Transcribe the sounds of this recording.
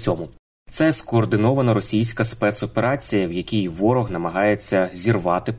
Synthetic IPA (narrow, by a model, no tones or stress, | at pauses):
ɔmʊ | t̪sɛskɔːrd̪ɪnɔʋɐnɐɾɔsʲijsʲkɐspɛt̪sɔpeɾɑt͡sʲijɐwjɐkʲijʋɔɾɔɣnɐmɐɦɑjet͡sʲːɐzʲirʋɑt̪ɪ